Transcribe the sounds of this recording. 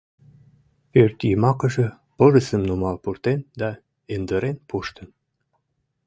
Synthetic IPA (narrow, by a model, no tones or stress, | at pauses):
ørt̪jimɑkə̆ʒĕ | pɤʒəsəmnumɑlpurt̪end̪ɑ | end̪əɾenpuʃt̪ə̆n